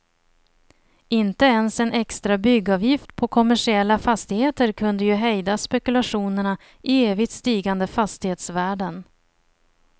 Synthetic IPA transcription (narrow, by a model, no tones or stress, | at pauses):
ɪnt̪əɛnsɛnɛkst̪ɾabʏɡːɑːvjɪft̪pʰɔkʰɔmæʂɪɛlːafast̪ɪheːt̪əɾkʰɵnd̪əjɵɦɛjd̪aspɛkɵlaʂuːnəɳa | ʔɪeːvɪɡt̪st̪iːɡand̪əfast̪ɪheːt̪svæːɖən